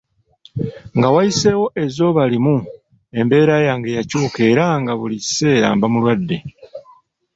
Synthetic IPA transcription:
ŋɡawajise̞wo̞ʔe̞zo̞ːβalimu | e̞mbe̞ːɾajaŋɡejacuːke̞ɾaŋɡaβulici̥se̞ːɾa̰ːmbamulwadːe̞

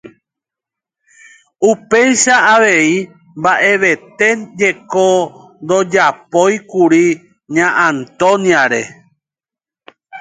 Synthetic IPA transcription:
upe̞jʃaːʋe̞i | mbaʔe̞ʋe̞t̪e̞d͡ʒe̞kond̪o̞d͡ʒapo̞jkuɾi | ɲãʔãnt̪õnjaɾe

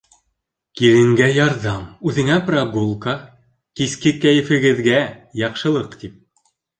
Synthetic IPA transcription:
kiɾɘ̆ŋɡæjɑɾðɑmʉðɘ̆ŋæprɑɡulˠka | kiskɘkæjɘ̆fɘ̆ɡɘ̆ðɡæjɑqʃɤ̆lˠɤqt̪ip̚

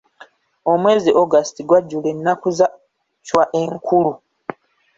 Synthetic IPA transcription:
o̞mwe̞ːziʔo̞ɡastiɡwaɟːulenːakuza | cwaʔe̞ŋkʰulu

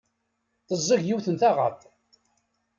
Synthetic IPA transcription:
θəzˤːəʝjiwθənt̪aʁə̰θˤ

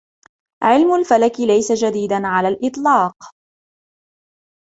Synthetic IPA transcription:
ʕɪlmʊlfalakɪlajsad͡ʒad̪iːd̪anʕalaːlʔɪt̪ˤlɑːq

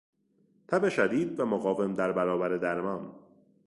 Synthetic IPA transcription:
t̪ʰæbeʃæd̪iːd̪væmoɣɒːve̞md̪æɾbæɾɒːbæɾed̪æɾmɒːn

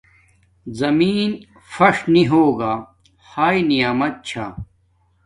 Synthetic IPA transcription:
zɐmiːn | fɐʂniɦoːɡaː | haːinijaːmɐt̪̚t͡ɕʰa̰ː

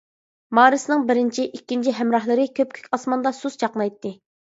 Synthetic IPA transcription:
mɑːɾɨsɨnɨŋbɪɾɪnt͡ʃʰiʔikʲːint͡ʃʰiɦɛmɾɑɦlˠɨɾɨkʲʰøp̚kʲʰy̥kʲɑsmɑnd̪ɑsuzt͡ʃɑqnˠɑjt̪ːɨ

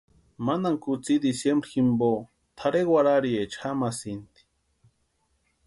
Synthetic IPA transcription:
manaŋkut͡sid̪isjembɾiximbo | t̪ʰaɾewaɾaɾiet͡ʃxamasint̪i̥

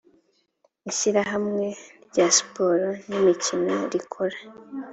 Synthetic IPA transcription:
içiɾaɦamŋe̞bɟaspo̞ɾonimicinoɾikʰoɾa

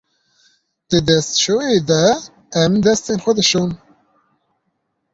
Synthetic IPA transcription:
d̪̥əd̪ɛst̪ʃoed̪ɛ | ɛmd̪ɛst̪eːnxʷɛd̪ɨʃun

